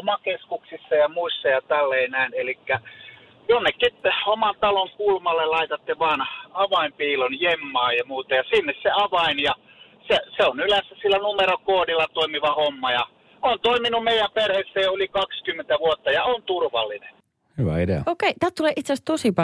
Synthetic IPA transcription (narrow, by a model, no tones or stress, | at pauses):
omɑkeskuksisːɑjɑmuisːɑjɑt̪ælːeinæˑinelikːæ | j̪onːekːit̪omɑnt̪ɑloŋkulmɑlːellɑit̪ɑt̪ːiʋɑːnɑʋɑimpiːlonjemːɑːjɑmuːt̪ɑjɑsinːesseɑʋɑinjɑ | seseonylæsːæsilːænumeɾokoːdilːɑt̪oˑimiʋɑhomːɑjɑ | ont̪oiminummeijˑæmperhesːejolikɑkskymːent̪æʋuot̪ːɑjɑont̪urʋɑ̰lːinen | hyʋæ̰idḛɑ̰okeˑit̪æːt̪t̪uleːˑʔit̪seæst̪osipɑ